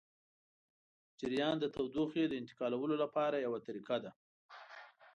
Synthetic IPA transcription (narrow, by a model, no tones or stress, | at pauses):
d͡ʒɪɾijɑnd̪ət̪awd̪oxed̪əɪnt̪ɪ̥qɑlawəlolapɑɾajawat̪aɾiqad̪a